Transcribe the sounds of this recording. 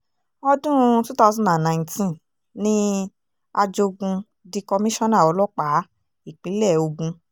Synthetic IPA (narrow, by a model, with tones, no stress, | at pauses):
ɔ˧dũ˦tu˦ta˦˧˦sɔ̃˦da˨nnã˨ĩ˨ntĩ˦n | nĩ˦ | a˧d͡ʒo˧ɡũ˧ | di˧kɔ˧mĩ˦ʃɔ̃˦na˦˨ɔ˧lɔ˦k͡pa˨˦ | i˦˨k͡pi˨˦lɛ˦˨o˧ɡũ˧